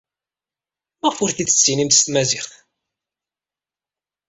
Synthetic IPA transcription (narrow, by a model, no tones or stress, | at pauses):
mæfʊɾθiə̥t͡sːinimt̪ə̥st̪mæziɾθ